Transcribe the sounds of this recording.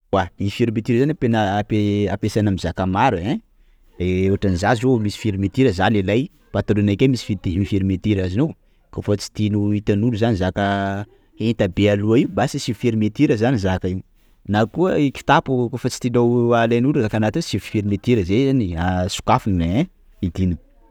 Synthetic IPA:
waifiɾimet̪iɾəzanapenəpeapesanamizakamaɾuẽ | ɾeewaʈ͡ʂanizazoumisi̥fiɾimet̪iɾəzalelaj | pat̪uɾunakemisi̥fit̪imifiɾimet̪iɾazinow | kofət͡si̥t̪inuit̪anuluzanizakə | ent̪abealuaiubasisifiɾimet̪iɾəzanizakai | nakuəiki̥t̪apukofət͡si̥t̪inowalanuluzakanat̪iosivufiɾimet̪iɾəzeaniasu̥kafunẽ | id̪ini̥

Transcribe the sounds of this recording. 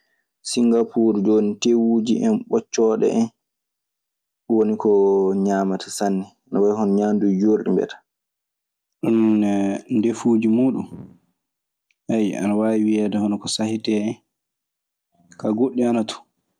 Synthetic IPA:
siŋɡapuɾd͡ʒoːnitewud͡ʒiʔɛnɓɔt͡ʃːɔɗɛ̰ʔɛn | wonikɔɲaːmatʰḁsanːi | anawajihɔnɔɲandud͡ʒoɾɗḭmbɛ̰tḁ | ɗunː | ndefuːd͡ʒimuːɗṵm | haja̰nawajiwiɛdahɔnɔkɔsahitɛɛn | kaɡoɗːianatʰu̥

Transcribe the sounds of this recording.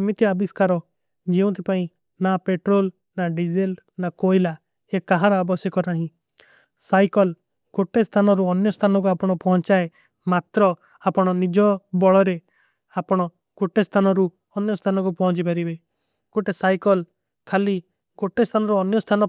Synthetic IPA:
mit̪iabiskaɾɔ | d͡ʒeũt̪ʰipaĩ | napeʈɾol | naɖid͡ʒelnakojla | ekaɦaɾɔabɔsjɔkɔɾaɦĩ | sajkɔl | koʈest̪ʰanɔɾuɔnjɔst̪ʰanɔk̬uapɔɽ̃ɔpɔɦɔ̃nt͡ʃae | mat̪ɾɔ | apɔɽ̃ɔnid͡ʒɔbɔɭɔɾe | apɔɽ̃ɔ | ɡ̥oʈest̪ʰanɔɾu | ɔnjɔst̪ʰanɔk̬upɔɦɔ̃t͡ʃipaɾibe | ɡ̥oʈesajkɔl | kʰali | ɡoʈest̪ʰanɔɾuɔnjɔst̪ʰanɔ

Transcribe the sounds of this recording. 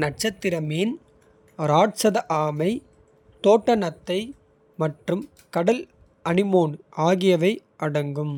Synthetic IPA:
nɐʈ̚t͡ʃɐt̪ːɪɾɐmeːn | ɾaːʈsɐðɐʔaːmɐɪ | t̪oːʈːɐnɐt̪ːɐɪ | mɐʈrɯm | kɐɽɐl | ɐnɪmoːɳʔaːɣɪjɐʋɐɪ | ʔɐɽɐŋɡɯm

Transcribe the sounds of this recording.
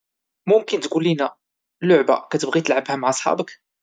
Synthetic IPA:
mʊmkənt̪ɡulːinæ | lːʊʕba̰kæt̪əbɣit̪əlʕəbhæmaʕɑsˤħɑ̰bək

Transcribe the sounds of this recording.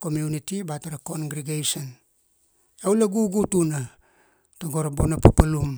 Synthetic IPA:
komjunitibataɾakonɡɾiɡejson | awleɡuɡutuna | taɡoɾabonapapalum

